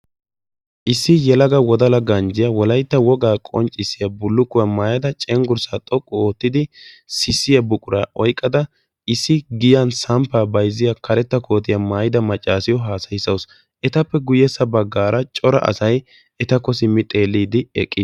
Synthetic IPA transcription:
ʔɪsːɪjɛlɐɡɐwɔd̪ɐlɐɡɐnd͡ʒɪjɐwɔlɐjt̪ːɐwɔɡaːkʼɔnt͡ʃʼːɪsːɪjɐbʊlːʊkːʊjɐmaːjɐd̪ɐt͡ʃʼɛŋɡʊɾsat̪ʼɔkʼːɔoːt̪ːɪd̪ɪ | sɪsːɪjɐbʊkʼʊɾaʔɔjkʼːɐd̪ɐ | ʔɪsːɪɡɪjɐnsɐmpaːbɐjzɪjakʰɐɾɛt̪ːɐkʰo̞ːt̪ɪjɐmaːjɪd̪ɐmɐt͡ʃʼːaːsɪjɔɦaːsɐjɪsɐws | ɛt̪ɐpːɛɡʊjɛsːɐbɐɡːaːɾɐt͡ʃʼɔɾɐ̰ʔɐ̰sɐj | ɛt̪ɐkːɔsɪmːɪt̪ʼe̞ːlːiːd̪ɪɛ̰kʼːɪ

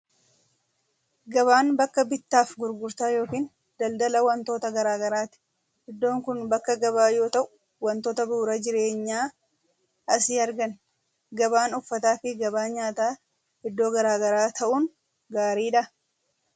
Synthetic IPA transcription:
ɡɐβaːnbɐkːɐbɪt̪ːaːfɡʊɾɡʊɾt̪aːjo̞ːkiːn | d̪̥ɐld̪ɐlɐwɐnt̪o̞ːt̪ɐɡɐɾaːɡɐɾaːt̪ɪ̥ | hɛd̪ːo̞ːŋkʊnbɐkːɐɡɐβaːjo̞ːt̪ɐʔʊ̥ | wɐnt̪o̞ːt̪ɐbuːɾɐd͡ʒɪɾe̞ːɲːaː | ʔɐsiːɐɾɡɐn | ɡɐbaːnʊfːɐt̪aːfɪɡɐbaːɲaːt̪aː | hɛd̪ːo̞ːɡɐɾaːɡɐɾaːt̪ʰɐʔʊn | ɡaːɾiːᶑɐ

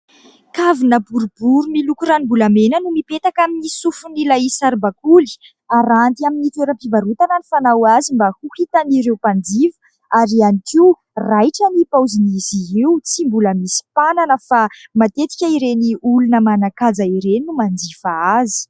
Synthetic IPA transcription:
kavinəbuɾubuɾumilukuɾanibulamenənumipet̪akaminisufunilaisaɾbakuli̥ | aɾant̪iaminit̪eɾəmpivaɾut̪anənifanawazimbahuhit̪aniɾewpand͡zivə̥ | aɾianikiw | rajʈ͡ʂanipawziniziɦiwt͡simbuləmisi̥pananəfamat̪et̪i̥kʲaiɾeniʔulunəmanakad͡zaiɾeninumand͡zifaazi̥

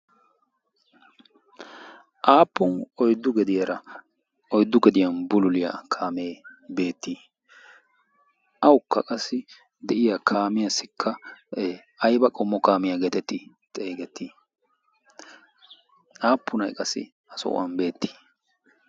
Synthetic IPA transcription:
ʔaːpːʊnɔjd̪ːʊɡɛd̪ɪjɐɾɐ | ɔjd̪ːʊɡɛd̪ɪjɐnbʊlʊlɪja̰ːkʰaːmeːbe̞ːt̪ːiː | ʔɐwʊkːɐkʼɐsːɪ | d̪ɛʔɪjakʰaːmɪjɐsɪkʰːɐ | ɐjbɐkʼɔmːɔkaːmɪjaɡɛt̪ɛt̪ːɪ | t̪ʼeːɡɛt̪ːiː | aːpːʊnɐjkʼɐsɪ̰ | ɐsɔ̰ʔʊ̰ʔɐ̰nbe̞ːt̪ːi̥

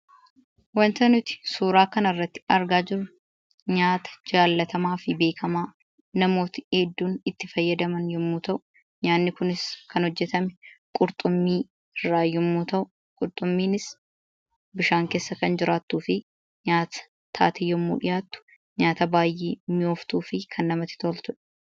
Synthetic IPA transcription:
wɐnt̪ɐnʊt̪ɪ̥suːɾaːkɐnɐrːɐt̪ːɪ̥ɐɾɡaːd͡ʒɪɾʊ | ɲaːt̪ɐ̥d͡ʒaːlːɐt̪ɐmaːfɪbe̞ːkʰɐmaː | nɐmo̞ːt̪ɪeːd̪ːuːnɪt̪ːɪfɐjːɐd̪ɐmɐnjɔmːuːt̪ɐʔʊ̥ | ɲaːnːɪkʊnɪskɐnhɔd͡ʒːɛt̪ɐmɛkʼʊɾt̪ʼʊmːiː | ɪrːaːjɔmːuːt̪ɐʔʊ | kʼʊɾt̪ʼʊmːiːnɪs | bɪʃaːŋke̞ːsːɐkɐnd͡ʒɪɾaːt̪ːuːfɪ | ɲaːt̪ɐ̥ | t̪ʰa̰ːt̪ɪjɔmːṵːᶑɪ̰jaːt̪ːʊ̥ | ɲaːt̪ɐbaːjʔeːmɪjoːft̪uːfɪkʰɐnːɐmɐt̪ːɪ̥t̪oːlt̪ʊᶑɐ̥

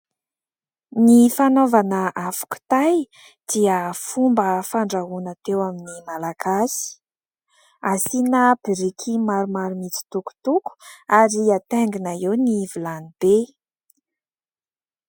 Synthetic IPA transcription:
nifanovanəʔafḁku̥t̪aj | d̪̥iəfumbəfaɳɖ͡ʐaɦunat̪ewaminimalaɡasi̥ | asinəbiɾikʰimaɾumaɾumit͡si̥t̪uku̥t̪uku̥aɾiat̪eŋɡinaewnivulanib̥e

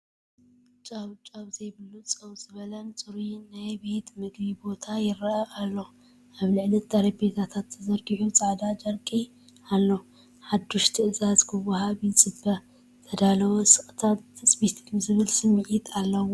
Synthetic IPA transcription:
t͡ʃʼaβt͡ʃʼaβzɐjbɨlːut͡sʼɐβt͡sʼɨβɐlɐnt͡sʼɨɾinajbe̞t̪mɨɡbibo̞t̪ʰajɪɾɐʔɐʔalːo̞ | ʔaβlɨʕlɐt̪̚d̪aɾibbe̞t̪ʰat̪ʰat̪ːɐzɐɾɡiʕut͡sʼaʕd̪ad͡ʒɐɾkʼi | alːo̞ | ħad̪ːuʃt̪ʰɨʔɨzazkʰɨwɐɦaβit͡sʼɨbɐ | t̪ʰɐd̪alɐwosʼɨχʼt̪ʰat̪t̪ʰɨsʼbit̪kɨzɨβɨlsɨmːiʕit̪ʰalːɐwo

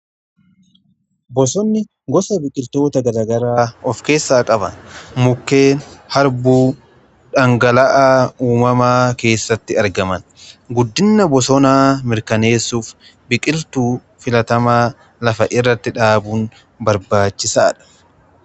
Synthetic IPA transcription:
bɔsɔnːɪ | ɡɔsɐbɪkʼɪlt̪o̞ːt̪ɐɡɐlɐɡɐɾaːɔfke̞ːsːaːkʼɐbɐ̰nmʊkːe̞ːnhɐɾbuː | ᶑɐŋɡɐlɐʔaːuːmɐmaːke̞ːsːɐt̪ːɪɐɾɡɐmɐn | ɡʊd̪ːɪnːɐbɔsɔnaːmɪɾkɐne̞ːsːuːf | bɪkʼɪlt̪uː | fɪlɐt̪ɐmaː | lɐfɐʔɪrːɐt̪ːɪᶑaːbuːn | bɐɾbaːt͡ʃːɪsa̰ːᶑɐ̥

